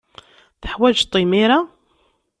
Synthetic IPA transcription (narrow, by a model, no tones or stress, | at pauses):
θəħwæd͡ʒt̪ˤːimiɾa